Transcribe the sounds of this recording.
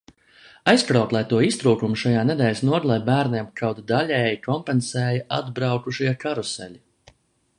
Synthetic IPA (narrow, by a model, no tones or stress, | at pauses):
ajskɾawt̪lˠajt̪uɔist̪ɾuːkumuʃajaːned̪ɛːlʲsnuɔd̪lˠajbæːɾnʲiɛmkʰawt̪d̪alʲɛːjikʰɔmpensɛːjaʔad̪bɾawkuʃiɛkaɾusɛ̰lʲi